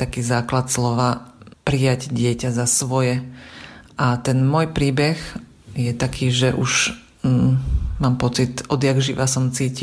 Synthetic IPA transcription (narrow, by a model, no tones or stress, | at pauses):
t̪akiːzaːklat̪slɔʋaːpɾijaɟɟɪɛcazasʋɔjɛ | ʔat̪ɛnmɔjpɾiːbɛx | jɛt̪akʰiːʒɛʔuʒ | maːmpɔt͡sit̪ɔd̪jaɡʒiʋasɔmt͡siːci